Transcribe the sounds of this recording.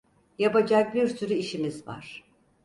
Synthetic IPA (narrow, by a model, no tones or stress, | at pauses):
japad͡ʒak̚biɾsyɾyiʃimizva̰ɾ̥